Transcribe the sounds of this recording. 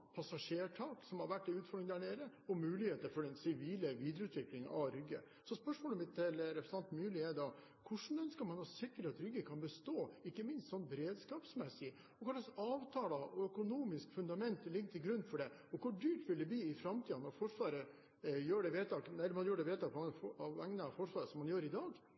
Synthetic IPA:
pʰɑsɑʂeːʈʰɑːksɔmhɑɾʋæʈːɪʉːt̪fɔɾɖɾɪŋd̪æːɳeːɾəɔmʉːlɪheːt̪əɾfɔɖɛnsɪʋiːləʋiːd̪ɾəʉːt̪ʋɪklɪŋɑʋɾʏɡːə̰ | sɔspœʂmoːləmɪt̪ːɪlɾɛpɾəsɑnt̪mʉːlɪed̪ɑ | kʰʊʂn̩œnskəɾmɑnɔsɪkːəɾɑt̪ɾʏɡːəkʰɑnbəst̪oːɪkːəmɪnst̪sɔnːbɛɾeːd̪skɑːpsmɛsɪ | ɔkʰʊlɑsɑːʋt̪ʰɑːlɑʔɔœkʊnuːmɪskfʉnd̪ɑmɛnt̪lɪɡːt̪ʰɪlɡɾʉnːfɔɖɛ | ɔkʰʊɖyːʈʋɪld̪ɛbliːɪfɾɑmt̪ʰiːɑnːɔɾfɔʂʋɑːɾə | jøːɖɛʋeːt̪ʰɑːk̪ɛlːəmɑnjøːɖɛʋeːt̪ɑːkʰɑʋæŋnəɑfɔʂʋɑːɾəsɔmːɑnjøːɾɪd̪ɑːɡ

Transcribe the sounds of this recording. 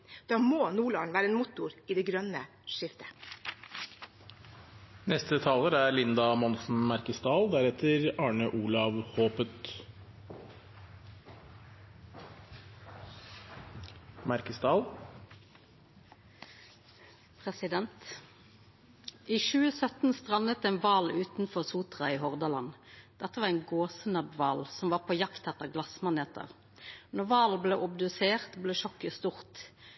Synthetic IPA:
d̪̥ɑːmoːnuːɭɑːɳ̩ʋæːɾəeːnmʊt̪ʊɾiːd̪ɛːɡɾœnə | ʃɪft̪ʰə̥ | nɛst̪ət̪ʰɑːləɾæɾlɪnd̪ɑmɔnsn̩mæɾkəsd̪ɑːld̪æɾɛt̪ʰəɾɑːɳəʔuːlɑʋhoːpət̪ | mæɾkəsd̪ɑːl | pʰʁɛsɪd̪ɛnt̪ | iːʃʉːəsœt̪n̩st̪ʁɑnət̪eːnʋɑːlʉːt̪n̩fɔʁsuːt̪ʁɑiːhɔʁd̪ɑlɑnd̪̥ɛt̪ːəʋɑːʁɛnɡoːsənɑbʋɑːlsɔmʋɑːpʰoːjɑkt̪ʰɛt̪əʁɡlɑsmɑneːt̪ə̰ʁ | nɔʁʋɑːlbleːʔʊbd̪ʉseːʁt̪bleːʃɔkːəst̪uʁt̪

